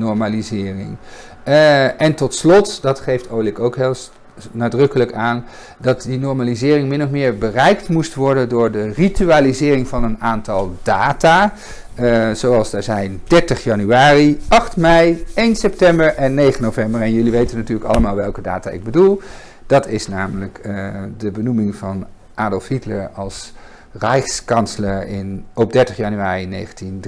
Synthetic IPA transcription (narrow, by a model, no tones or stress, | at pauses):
nɔɹmalizɪːrɪ̰ŋ | ʔɛntɔtslɔtdɑtχejftʰowlɪkowkɦɪlˠs | naːdrɵkələkaːn | dɑtdinɔɹmaːlizɪːrɪŋmɪnɔfmɪːɹbərɛjktmustʋɔɹdəndʊːɹdərityaːlizɪːrɪŋvɑnənaːntɑlˠdaːta | z̥owɑlˠsdəɹzɛjnd̥ɛɹtəχjɑnyaːriɑχtmɛjejnsɛp̚tɛmbəɹʔɛnːejχənːovɛmbəɹɛnjɵliʋejtənːatyːɹləkɑ̰ləmaːlˠʋɛlˠkəda̰ːta̰ɪ̰ɡ̚bədulˠ | d̥ɑtɪsnaːmələkdəbənumɪŋv̥ɑn | ʔaːdɔlˠfhitləɹɑlˠs | rɛjskɑnsələɹɪnɔp̚dɛɹtəχjɑnyaːrinḛjχəntind